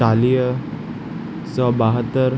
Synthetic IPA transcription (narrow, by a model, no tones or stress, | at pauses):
alijə | sɔbaɦət̪ːəɾ